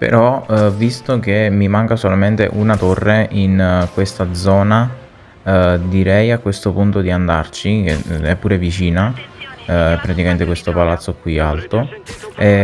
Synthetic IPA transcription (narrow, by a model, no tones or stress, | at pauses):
pḛɾɔvist̪ok̟emːimaŋkasolament̪ḛʔunat̪orːeʔinkwest̪ad̪zɔːna | d̪iɾɛjakːwest̪opunt̪od̪iand̪a̰rt͡ʃikḛɛpːuːɾevit͡ʃiːna | pːɾat̪ikament̪ekwest̪opalat̪sːokwia̰lt̪oɛ